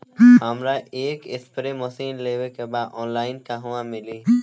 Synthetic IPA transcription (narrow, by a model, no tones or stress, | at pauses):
ɦəmɾaʔeːkɪspɾemɔsiːnleːʋekebaːd̪ɔːnlaːɪnkaɦʊʋãmɪliː